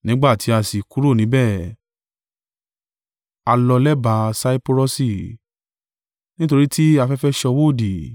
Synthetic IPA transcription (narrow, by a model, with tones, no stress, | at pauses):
nĩ˨˦ɡ͡ba˦˨ti˨˦a˧si˨ku˨˦ɾo˦˨nĩ˨˦bɛ˦˨ | a˧lɔ˧lɛ˦ba˧˦sa˦i˦po˧ɾɔ˦si˦˨ | nĩ˦to˧ɾi˦tʰi˦a˧fɛ˦fɛ˦ʃɔ˧wo˦˨di˨